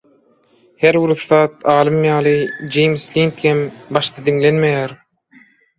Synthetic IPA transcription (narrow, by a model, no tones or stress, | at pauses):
heɾwuɾuθːɑːt̪̚ɑːlˠɯmjɑːlˠɯd͡ʒejmslʲint̪hembɑʃt̪ɑd̪iŋlenmejæːɾ